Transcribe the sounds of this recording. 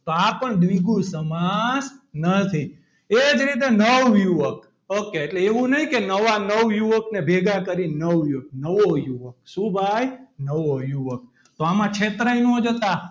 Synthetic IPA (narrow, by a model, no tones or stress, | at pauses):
t̪oapəɳd̪ʋiɡũsəmasnət̪ʰi | ed͡ʒɾit̪̬enəʋjuʋək | okːeːʈleːʋũnəɦĩkenəʋanəʋjuʋəknebʱeɡakəɾinəʋjuʋək̚nəʋojuʋək̚subʱajnəʋojuʋək̚ | t̪oamãt͡ʃʰet̪ɾainõd͡ʒət̪a